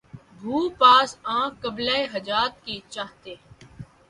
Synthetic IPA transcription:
bʱuːpaːsãːkəblaeɦɐd͡ʒaːt̪kit͡ʃaːɦt̪eː

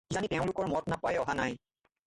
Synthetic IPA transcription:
zanitɛʊ̃lʊkɔɹmɔtnapajɔɦanaj

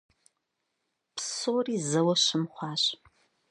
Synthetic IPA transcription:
psoːriːzɐwɐɕɨmχʷɑːɕ

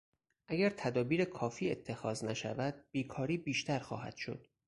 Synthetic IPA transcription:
ʔæɡæɾt̪ʰæd̪ɒːbiːɾekʰɒːfiːe̞t̪ʰːe̞xɒːznæʃæ̰væd̪̥̚b̥iːkʰɒːɾiːbiːʃt̪ʰæɾxɒ̰ːɦæ̰d̪̥ʃo̞̰d̪̥

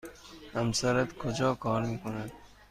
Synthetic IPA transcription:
amsaɾat̪kʰod͡ʒɒːkʰɑːɾmiːkonad̪

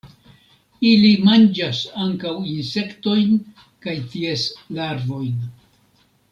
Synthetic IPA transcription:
ilimand͡ʒasaŋkawinse̞kto̞jn | kajtieslaɾvo̞jn

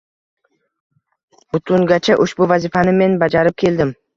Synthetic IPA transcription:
bʊt̪ʰʊŋɡʲat͡ʃʰaʔʊʃbʊvazɪfanɪme̞nbad͡ʒaɾɪp̚kʲʰe̞ld̪ɪm

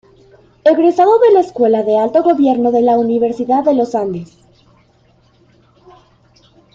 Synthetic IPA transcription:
eɣɾesaðoðelaeskwe̞laðe̞alt̪o̞ɣo̞βje̞ɾno̞ðe̞launiβe̞ɾsiðaððe̞lo̞sand̪es

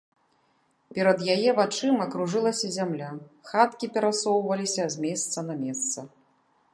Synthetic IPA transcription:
pʲɛɾɐd̪jajɛvat͡ʂɨmɐkɾuʐɨlˠɐsʲɐzʲamlʲaxat̪kʲipʲɛɾasɔwvɐlʲisʲɐzʲmʲɛst̪sɐnɐmʲɛst̪sɐ

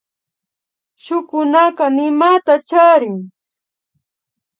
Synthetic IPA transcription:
ʃʊkʊnakɑnɪmat̪at͡ʃaɾɪŋ

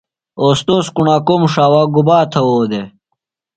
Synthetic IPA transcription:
oːst̪oskuɳaːkomʂaːwaɡubaːt̪ʰɐwoːd̪e

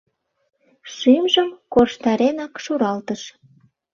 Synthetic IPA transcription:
ʃymʒəmkorʃt̪ɑɾenɑkʃuɾɑlt̪əʃ

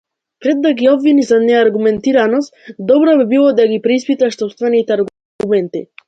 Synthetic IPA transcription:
pɾɛd̪ːaɡiɔbvinizanɛaɾɡumɛnt̪iɾanɔst̪d̪ɔbɾɔbibilˠɔd̪aɡipɾɛispit̪aʃt̪ɔpst̪vɛnit̪ɛaɾɡ | umɛnt̪ḭ

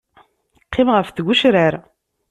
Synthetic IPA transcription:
qʰːimʁəfθɡʷuʃɾəɾ

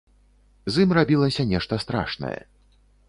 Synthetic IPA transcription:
zimrabʲilˠɐsʲɐnʲɛʂt̪ɐst̪ɾa̰ʂnɐ̰jɛ̰

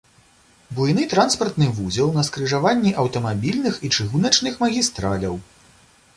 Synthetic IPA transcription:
bujnɨt̪ɾanspɐrt̪nɨvuzʲilˠnɐskɾɨʐavanʲːiʔɐwt̪ɐmabʲilʲnɨxit͡ʂɨɣunɐt͡ʂnɨxmɐɣʲist̪ɾalʲɐw

